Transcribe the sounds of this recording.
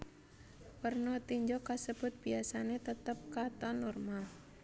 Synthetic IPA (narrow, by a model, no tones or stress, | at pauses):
pərnɔt̪iɲd͡ʒɔkasəb̥ʊt̪̚b̥iasanet̪ət̪əp̚kat̪ɔnɔrmal